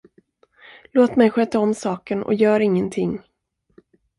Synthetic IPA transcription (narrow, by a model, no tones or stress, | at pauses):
loːt̪mɛjɧøːt̪aɔmːsɑːkənɔ̰jœːɾɪŋːənt̪ʰɪŋː